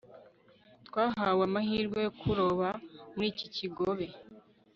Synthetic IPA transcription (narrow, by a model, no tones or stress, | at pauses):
twaːɦawamaɦiːɾɡwejokʰuɾoβamuɾiːciciɡo̞βe̞